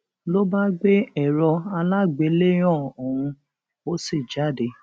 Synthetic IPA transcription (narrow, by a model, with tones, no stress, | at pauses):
lo˦ba˦ɡ͡be˦ɛ˨ɾɔ˧a˧la˦ɡ͡be˨˦le˦j̃ɔ̃˦˨o˨wũ˧ | o˦se˦˨d͡ʒa˦˨de˧˦